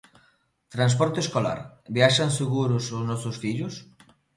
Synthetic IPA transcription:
t̪ɾãns̬pɔɾt̪eskola̰ɾbjaʃanseɣuɾʊsʊznɔθosfiʎʊs

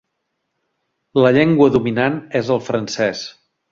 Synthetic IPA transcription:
ləʎɛŋɡwəðuminanezəlˠfɾənsɛs

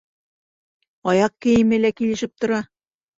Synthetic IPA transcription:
ɒjɑq̚kɘ̆jɘ̆mɘ̆lækilɘ̆ʃɘp̚t̪ŏɾɑ

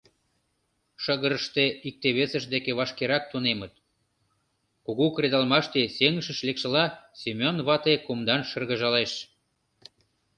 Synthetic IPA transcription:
ʃəɣəɾəʃt̪eik̚t̪eβesə̆ʃd̪ekeβɑʃkeɾɑk̚t̪unemət̪̚ | kuɣukɾed̪ɑlmɑʃt̪eseŋəʃə̆ʃlekʃə̆lɑsemʲonβɑt̪ekumd̪ɑnʃərɣə̆ʒɑleʃ

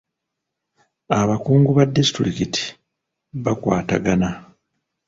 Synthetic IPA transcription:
aβakuːŋɡuβadːisi̥tɾikiti̥ | βakwa̰ːta̰ɡana

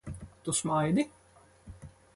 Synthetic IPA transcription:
t̪usmajd̪ɪ

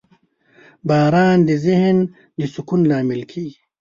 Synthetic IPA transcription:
baːɾaːnd̪iziɦn | d̪isukunlaːmilkʰiː

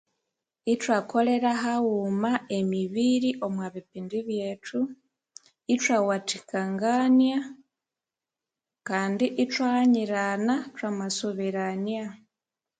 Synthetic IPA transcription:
itwako̞le̞ɾaɦawumaʔemiβiɾiʔo̞mwaβipindiβjeːtʰu | itwawatikaŋɡanja | kaːndiʔitwahaɲiɾanatwamasuβiɾanja

